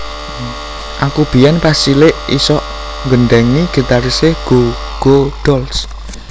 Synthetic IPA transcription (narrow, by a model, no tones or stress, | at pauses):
ʔakub̥i̤janpasilɪʔḭsɔʔ | ŋɡənɖɛŋniɡ̥ə̤t̪aɾiseɡ̥o | ɡ̥od̥ɔls